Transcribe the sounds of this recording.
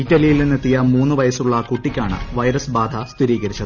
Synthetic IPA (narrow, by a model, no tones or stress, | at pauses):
itːɐlijilninːɨt̪ːijɐmuːnːɨʋɐjɐsuɭːɐkuʈːikʲːaːɳɨ̰ʋɐjɾɐsbaːd̪ʱɐst̪ʰiɾiːɣɐɾit͡ɕːɐðɨ